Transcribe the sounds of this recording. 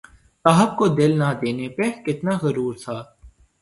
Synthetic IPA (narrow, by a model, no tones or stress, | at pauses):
saːɦəb̚kod̪ɪlnɐd̪eːnepekɪt̪naɣɐɾuːɾt̪ʰaː